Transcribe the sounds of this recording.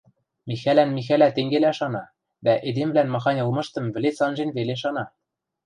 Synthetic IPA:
mixælænmixælæt̪eŋɡelæʃɑnɑ | d̪æʔed̪emvlænmɑxɑnʲɤ̆lˠmɤ̆ʃt̪ɤ̆mβɘ̆let͡sɑnʒenveleʃɑnɑ

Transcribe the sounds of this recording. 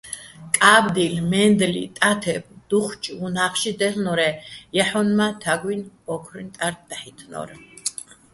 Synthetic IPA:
kʼabd̪ilmɛnd̪lḭt̪ʼat̪ʰɛbd̪̥uχt͡ʃʼunaχʃid̪ɛlnɔɾɛjaħɔnmat̪ʰaɡwinɔkʰɾint̪ʼaɾt̪̚d̪aħit̪ʰnɔ̰ɾ

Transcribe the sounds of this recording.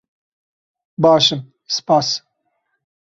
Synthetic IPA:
bɑːʃɨm | sɨ̥pɑːs

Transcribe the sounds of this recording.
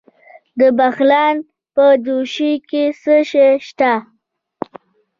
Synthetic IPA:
d̪əbaxlɑn | pəduʃikesəʃeʃt̪a

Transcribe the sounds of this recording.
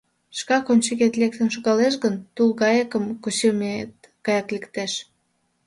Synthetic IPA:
ʃkɑkonʲt͡ɕeɣet̪lek̚t̪ənʃoɣɑleʃ̬ɣənt̪ulɣɑjekəmkut͡ɕemet̪ | ɡ̥ɑjɑklekt̪eʃ

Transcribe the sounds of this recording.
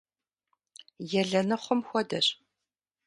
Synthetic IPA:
jɛɮɐnɨχʷɔmxʷɔdɐr

